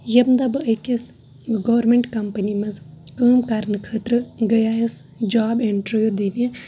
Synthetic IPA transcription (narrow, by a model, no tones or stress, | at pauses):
jɐbnd̪ɐbɨɐkes | ɡɐːɾmeɳʈkɐmpɐnimɐzkəːmkaɾnɨkʰəːt̪ɾɨɡɐjaːjɐs | d͡ʒaːbeɳʈɾɨjod̪ine